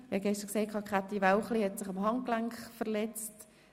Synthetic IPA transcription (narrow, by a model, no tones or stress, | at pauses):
hɑɡɛʃtəɾkseːt̚kʰɑːkχat̪ivaʊχlihɛtsɪχɑmɦɑŋklaŋkχfəʁlɛt͡st